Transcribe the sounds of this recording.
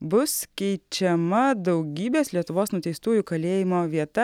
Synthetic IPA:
bʊskʲɛɪt͡ʃʲɛmɐd̪ɒʊɡʲiːbʲeːslʲiɛt̪ʊʋoːsnʊt̪ʲɛɪst̪uːjukɐlʲeːjɪmoːʋʲiɛt̪ɐ

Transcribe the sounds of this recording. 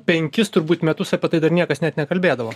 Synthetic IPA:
pʲɛŋʲkʲɪst̪ʊɾbuːt̪mʲɛt̪ʊsɐpʲiɛt̪ɐɪd̪ɐɾnʲiɛkɐsnʲɛt̪nʲɛkɐlʲbʲeːd̪ɐʋoː

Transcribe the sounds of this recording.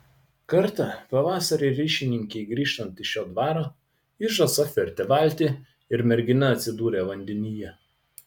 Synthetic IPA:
kɐɾt̪ɐpɐʋɑːsɐɾʲeɾʲɪːʃʲɪnʲɪŋʲkʲɛɪɡɾʲiːʃt̪ɐnt̪ɪʃʲjoːd̪ʋɑːɾoː | ɪʒɐsɐfʲɛɾʲt̪ʲɛʋɑˑlʲt̪ʲɪ | ɪɾmʲɛɾʲɡʲɪnɐɐt̪ʲsʲɪd̪uːɾʲeːʋɐnʲd̪ʲɛnʲɪjɛ

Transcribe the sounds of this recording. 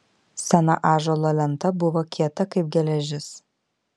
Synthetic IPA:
sʲɛnɐ̰ʔɑːʒoːlˠoːlʲɛnt̪ɐbʊʋoːkʲʰiɛt̪ɐkɐɪp̚ɡʲɛlʲɛʒʲɪs

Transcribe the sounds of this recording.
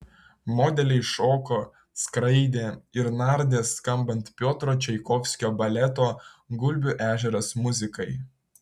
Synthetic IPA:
mɔːd̪ʲɛlʲɛɪʃoːkoː | skɾɐɪd̪ʲeːɪɾnɑˑɾʲd̪ʲeːskɐmbɐnt̪pʲoːt̪ɾoːt͡ʃʲɛɪkɔfʲsʲkʲoːbɐlʲɛt̪oːɡʊlʲbʲʊʔæːʒʲɛɾɐsmʊzʲɪkɐɪ

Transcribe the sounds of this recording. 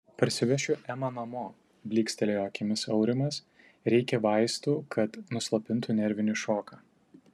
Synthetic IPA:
pɐɾʲsʲɪʋʲɛʃʲʊʔɛmɐnɐmoː | bʲlʲiːksʲt̪ʲɛlʲejoːkʲɪmʲɪsɐʊɾʲɪmɐs | ɾʲɛɪkʲɛʋɐɪst̪uːkʰɐt̪nʊslˠɐpʲɪnˑt̪unʲɛɾʲʋʲɪnʲɪʃoːkɐː

